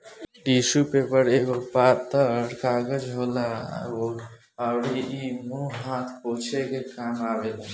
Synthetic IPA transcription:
ɖisupepəɾeɡopat̪ːəɾkaɡəd͡ʒɦola̰o | aʊɾiimoɦat̪ʰpoɦt͡ʃʰekekamabele

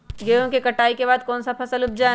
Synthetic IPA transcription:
ɡeːõkikɐʈaːikebaːd̪̚kɔːnsapʰɐsəlʊb̚d͡ʒaː

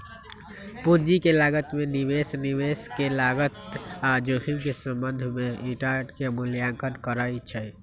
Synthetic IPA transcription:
pud͡ʒikelaɡət̪menibesniβeskelaɡət̪ad͡ʒohimkesəmbənd̪ʱmeiʈaɖkemuljãŋkənkəɾəjt͡ʃʰəj

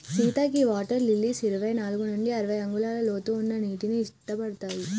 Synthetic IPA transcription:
siːt̪aːk̬iʋaːʈɐɾlilːisiɾiʋɐjnaːlɡunuɳɖiɐɾɐʋɐjɐŋɡulaːlɐloːt̪uːnːɐniːʈinuiʂʈːɐpɐɽɐt̪aːji

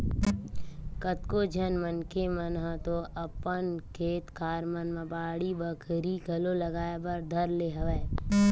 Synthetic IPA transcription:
kət̪kod͡ʒʱənmənkemənɦət̪oʔɐpənkʰeːt̪kaːɾmənmə̃baːɽibəkʰɾiɡʱɐlolɐɡaːebɐɾd̪ʱəɾleːɦɐʋɛː

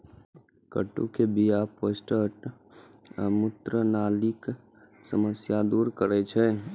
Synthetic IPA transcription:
kə̰ʈːṵ̃kebijapːosʈəʈ | mʊt̪ɾənaːlik | səməsjad̪uːɾkəɾet͡ʃʰe

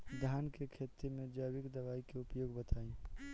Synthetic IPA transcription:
d̪ʱjaːnkekʰet̪imẽd͡ʒaːbɪkd̪ɐβaːikeʊpjoːɡbət̪ʰaːĩ

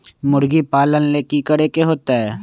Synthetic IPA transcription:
mʊɽɡipaːlənleːkikəɽekeɦoːt̪aɦɛː

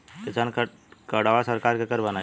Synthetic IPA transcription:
kɪsank | kəɽaʋasəɾkaːɾkekəɾbəna

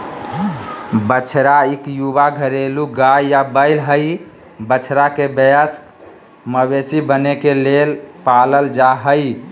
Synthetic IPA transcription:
bət͡ʃʰɾaikjubaɡʱəɾeluɡajjabəɪlɦəj | bət͡ʃʰɾakebəjəsk | məbesibənekelelpaləld͡ʒaɦəj

